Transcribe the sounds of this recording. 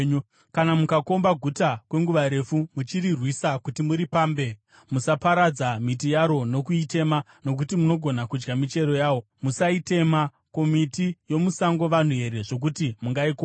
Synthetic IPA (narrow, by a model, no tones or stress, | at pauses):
u | kanamukako̞mbaɡʱutakwe̞ŋɡuʋaɾe̞fumut͡ʃiɾirwisakutimuɾipaːmbe̞ | musapaɾad͡zamit̬ijaɾo̞no̞kuite̞ma | no̞k̬utimuno̞ɡʱo̞nakud͡ʒɡamit͡ʃe̞ɾo̞jaːwo̞ | musaite̞ma | ko̞mitijo̞musaŋɡo̞ʋan̤uɦe̞ɾe̞ʐo̞k̬utimuŋɡaiko